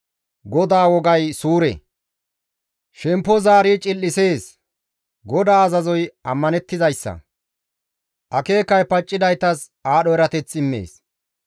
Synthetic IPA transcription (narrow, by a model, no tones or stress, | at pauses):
ɡɔd̪aːwɔɡɐjsuːɾɛ̰ | ʃɛmpːɔzaːɾiːt͡ʃʼɪlːɪse̞ːs | ɡɔd̪aːɐzɐzɔjɐmːɐnɛt̪ːɪzɐjsːɐ̰ | ʔɐke̞ːkːɐjpɐt͡ʃʼːɪd̪ɐjt̪ɐs | aːɗɔɛɾɐt̪ɛt͡sːɪmːḛːs